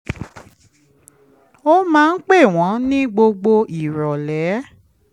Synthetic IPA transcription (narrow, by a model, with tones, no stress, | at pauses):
o˦mãː˦˧n̩˦k͡pe˦˨w̃ɔ̃˨˦nĩ˦ɡ͡bo˧ɡ͡bo˧i˨ɾɔ˨lɛ˨˦